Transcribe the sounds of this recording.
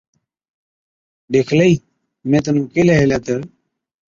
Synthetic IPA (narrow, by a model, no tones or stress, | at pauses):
ɖeːkʰləiː | mẽːt̪̬ənũːkelaɦeːlat̪əɾ